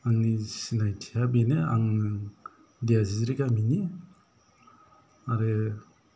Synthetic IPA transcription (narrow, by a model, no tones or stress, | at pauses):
aŋnisinajtʰijabenea̰ŋ | diaziziɾiɡamini | aɾe